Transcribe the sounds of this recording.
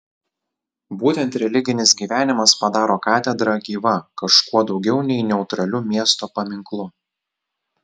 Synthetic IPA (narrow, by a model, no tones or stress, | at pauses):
buːt̪ʲɛnt̪ɾʲɛlʲɪɡʲɪnʲɪsɡʲiːʋʲæːnʲɪmɐspɐd̪ɑːɾoːkɑːt̪ʲɛd̪ɾɐɡʲiːʋɐkɐʃkuɔd̪ɒʊɡʲɛʊnʲɛɪnʲɛʊt̪ɾɐlʲʊmʲiɛst̪oːpɐmʲɪŋklˠʊ